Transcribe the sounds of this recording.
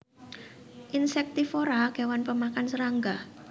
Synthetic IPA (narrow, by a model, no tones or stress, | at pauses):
ʔinsɛk̚t̪ifoɾaɡ̥ewanpəmakansəɾaŋɡa